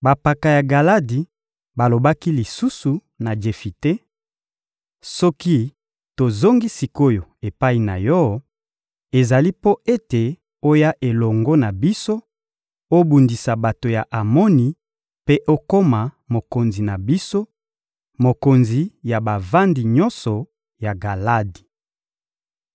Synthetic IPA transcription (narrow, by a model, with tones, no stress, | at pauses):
ba˨pa˨ka˨ja˨ɡa˨la˦di˨ | ba˨lo˨ba˦ki˦li˨su˦su˨ | na˨d͡ʒe˨fi˨te˦ | sɔ˦ki˦ | to˨zo˦ŋɡi˦si˨ko˦jo˨e˨pa˦i˨na̰˨jɔ˦ | e˨za˨li˦po˦ʔe˦te˨ | o˦ja˦ʔe˨lɔ˨ŋɡɔ˦na˨bi˦so˦ | o˦bu˨ndi˨sa˨ba˨to˨ja˨ʔa˨mɔ˦ni˨ | pe˦ʔo˦ko˦ma˨ | mo˨ko˨nzi˨na˨bi˦so˦ | mo˨ko˨nzi˨ja˨ba˨va˦ndi˨ɲɔ˦nsɔ˨ | ja˨ɡa˨la˦di̥˨